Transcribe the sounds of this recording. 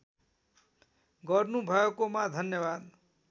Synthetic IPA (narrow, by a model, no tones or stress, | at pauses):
ɡʌɾnubʱʌekomãd̪ʱʌnjʌbad̪